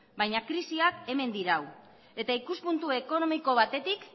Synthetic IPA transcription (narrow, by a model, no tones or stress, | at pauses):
bajɲakɾisiake̞me̞nd̪iɾaw | e̞t̪aikuspunt̪ue̞ko̞no̞miko̞β̞at̪e̞t̪ik